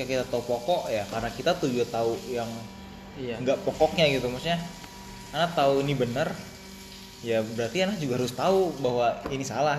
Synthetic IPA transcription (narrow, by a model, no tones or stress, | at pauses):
aakit̪at̪aupɔkɔʔjakarənakit̪at̪ud͡ʒut̪aujaŋ | ŋɡaʔpɔkɔk̚ɲaɡit̪umasuɲa | anat̪auinibənər | jabəɾart̪ianlahd͡ʒuɡahaɾʊst̪aubaɦwainisala